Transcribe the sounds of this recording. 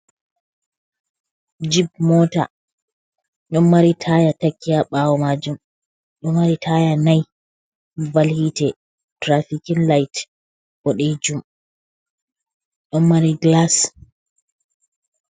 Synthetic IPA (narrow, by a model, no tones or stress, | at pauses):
d͡ʒibmɔta̰ | ɲɔmmaɾitʰajatakːiaɓawɔmad͡ʒum | ʔɔmːaɾitʰajanaj | balhitɛ | tɾafikinlajt | bɔɗed͡ʒum | ʔɔnmaɾiɡlas